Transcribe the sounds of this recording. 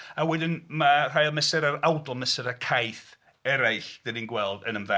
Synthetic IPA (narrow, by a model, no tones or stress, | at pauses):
awɛdɪnmar̥ajlˠmɛsɛɾaɾawdɔlˠmɛsɛɾakʰajθ | ɛɾajɬd̥ɪninɡwɛlˠdənəmvɛ